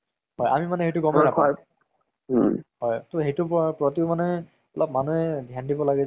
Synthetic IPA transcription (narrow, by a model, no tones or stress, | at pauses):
ɦɔja̰mimanɛɦejtuɡɔmaakʰ | hɔjtoɦejtʊppɹɔtiʊmanɛ | ɔlɔp̚manuɛdʱjandibɔlaɡɛ